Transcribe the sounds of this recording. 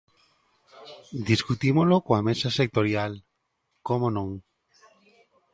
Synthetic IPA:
d̪iskut̪imolokoamesasek̚t̪oɾjal | komonõŋ

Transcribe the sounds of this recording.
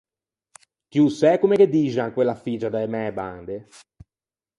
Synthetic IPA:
kjusɛkomeked̪iːʒaŋkwelːafiːd͡ʒad̪aemɛba̰nd̪e

